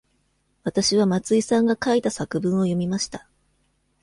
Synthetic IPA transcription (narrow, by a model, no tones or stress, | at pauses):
βat̪aɕiβamat͡sɨisãŋɡakait̪asakɯ̟bɯ̟̃ɰ̃o̞jo̞mʲimaɕi̥t̪a